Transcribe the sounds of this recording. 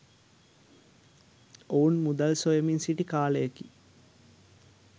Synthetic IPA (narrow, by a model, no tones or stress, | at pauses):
oːnmud̪ɐlsojɐminsiʈːikaːɭeɐkːi̥